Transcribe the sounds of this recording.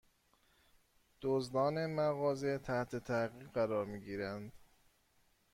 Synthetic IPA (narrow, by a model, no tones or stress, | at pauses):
d̪̥ozd̪ɒːnemæɣɒːzet̪ʰæht̪ʰe̞t̪ʰæɣiːʁɢæɾɒːɾmiːɟiːɾænd̪̥